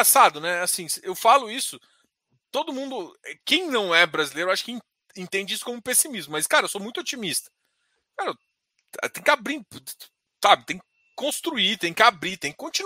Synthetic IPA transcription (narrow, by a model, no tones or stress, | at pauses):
sad̪ʊnɛasĩsewfalʊisʊ | t̪od̪ʊmũd̪ʊɛkẽj̃nɐ̃w̃ɛbɾazilejɾʊaʃʊ̥kɪ̃ | ẽt̪ẽnd͡ʒɪisʊ̥kõmʊpesimizmʊmɐskaɾɐewsomũj̃t̪ʊot͡ʃimist̪ɐ̥ | kaɾɐ | ɛ̰t̪ẽj̃kʲɪabɾi | sabɪt̪ẽj̃kɪ | kõst̪ɾuit̪ẽj̃kɪabɾit̪ẽj̃kɪ̥kõt͡ʃĩn